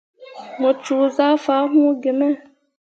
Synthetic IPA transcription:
ŋo˨t͡ʃu˨za˦fa˦ɦũ˦ɡɪ˨mɛ˦

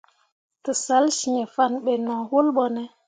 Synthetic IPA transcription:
tɨ˨sa˨˦lʃi˨e˨fa˦˨nɓe˨nɔ̃˨ho˦lɓo˨ne˨

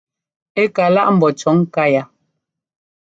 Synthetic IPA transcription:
e˦ka˨la˦ʔm̩˨bɔ˨t͡ʃɔ˨˦ŋ˦ka˦ja˨

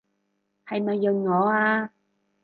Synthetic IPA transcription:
hɐ˨jmɐ˨jːɵ˨˩nŋɔː˨˧aː˧

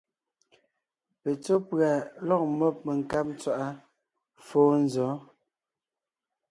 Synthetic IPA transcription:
pe˨t͡so˦pɰa˨lɔ˦˨k̚mɔ˦p̚me˨ŋ̩˨ka˦p̚n˦t͡swa˦˨ʔa˦ | foː˦n˦zɔ˨˦

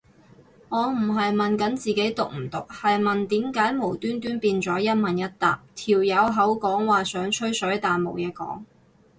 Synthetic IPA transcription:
ŋɔː˨˧m̩˨˩ɦɐ˨jmɐ˨nkɐ˨˥nt͡siː˨ke˨˥jt̪ʊ˨k̚m̩˨˩t̪ʊ˨k̚hɐ˨jmɐ˨nt̪iː˨˥mkaː˨˥jmo˨˩wt̪yː˥nt̪yː˥npiː˧nt͡sɔː˨˥jɐ˥t̚mɐ˨njɐ˥t̚t̪a̰ː˨p̚t̪ʰiː˨˩wjɐ˨˧wɦɐ˨˥wkɔː˨˥ŋwaː˨sœː˨˥ŋt͡ʃʰɵ˥ɥsœː˨˥ɥt̪aː˨nmo̰˨˩wjɛː˨˧kɔ̰ː˨˥ŋ

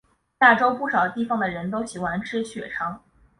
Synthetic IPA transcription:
na˥˩ʈ͡ʂo˥ʊpu˥˩ʂɑ˨˩ʊt̪i˥˩fɑ˥˩ŋd̪ə˩ɻə˧˥nt̪o˥ʊɕi˨˩xwa˧˥nʈ͡ʂʰɻ̩˥ɕɥɛ˨˩ʈ͡ʂʰɑ˧˥ŋ

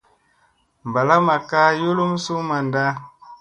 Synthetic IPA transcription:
m˨ba˨la˦ma˨ka˦ju˦lu˦m˦su˦ma˨nda˦

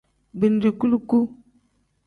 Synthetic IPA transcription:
bi˨n˨di˨ku˦lu˦ku˦

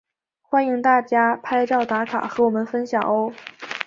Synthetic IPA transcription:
xwa˥ni˧˥ŋt̪a˥˩t͡ɕja˥pʰa˥ɪʈ͡ʂɑ˥˩ʊt̪a˧˥kʰa̰˨˩xɤ˧˥wɔ˨˩mə˧˦nfə˥nɕjɑ˨˩ŋo˥ʊ

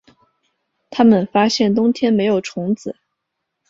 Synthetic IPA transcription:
t̪ʰa˥mə˨nfa˥ɕjɛ˥˩nt̪ʊ˥ŋt̪ʰjɛ˥nme˧˥ɪjo˨˩ʊʈ͡ʂʰʊ˧˥ŋt͡sɹ̩˨˩˦

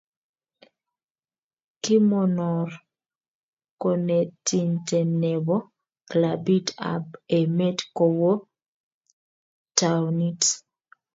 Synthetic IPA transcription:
ki˦mɔ˨nɔ˨r | ko˨ne˨ti˨nte˨nɛ˨bɔ˦ | kla˨bi˦ta̰˨be˨me˦tkɔ˨wo˦ | ta˨wni˦t

